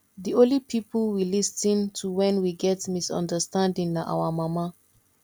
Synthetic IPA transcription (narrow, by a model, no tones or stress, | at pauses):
diõnlipʰipəlwilistĩntʰuwɛ̃nwiɡɛtmisɔ̰̃ndəstãndĩŋnaʔa̰wamama